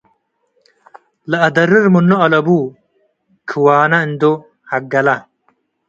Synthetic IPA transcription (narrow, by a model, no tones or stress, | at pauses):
lɐɐd̪ɐɾɪɾmunːoɐlɐbuː | kʰiwaːnɐind̪o | hɐɡɐlɐ